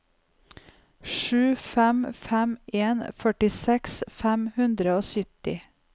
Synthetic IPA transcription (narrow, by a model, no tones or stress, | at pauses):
ʃʉːfæmfæmeːnfœʈɪsɛksfæmhʉnd̪ɾəoːsʏt̪ɪ